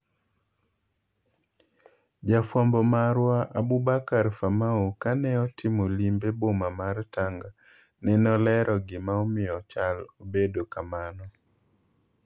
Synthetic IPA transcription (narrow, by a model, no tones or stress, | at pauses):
d͡ʒafwambɔmaɾwaʔabubakaɾfamaokanɛɔtʰɪmolimbebomamartaŋɡa | nɛnɔlɛɾʔɔɡɪmaɔmɪɔt͡ʃalobedokamanɔ